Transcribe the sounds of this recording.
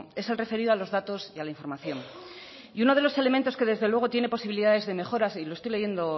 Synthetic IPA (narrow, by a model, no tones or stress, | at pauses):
e̞selre̞fe̞ɾiðoalo̞zðat̪o̞sialaiɱfo̞ɾmaθjo̞n | iuno̞ð̞e̞lo̞se̞le̞ment̪o̞ske̞ðezðe̞lwe̞ɣ̞o̞t̪je̞ne̞po̞siβiliðaðe̞zðe̞me̞xo̞ɾasilost̪ojleʝe̞nd̪o̞